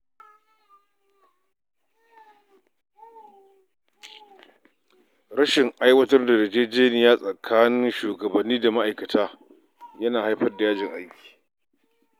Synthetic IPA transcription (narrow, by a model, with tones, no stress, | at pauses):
ɾɐ˦ʃɪ˨ŋʔa˦jwɐ˦tɐ˦rda˨dɐ˨d͡ʒeː˦d͡ʒeː˦nɪ˨jaː˦sʼɐ˨kʰaː˦nɪ˦nʃuː˨ɡɐ˨bɐ˨nːiː˦da˨ma˦ʔa˨jkɐ˨tʰaː˦ | jɐ˦naː˨ha˦jɸɐ˦rda˨jaː˦d͡ʒɪ˨ŋʔa˦jkʲi̥ː˨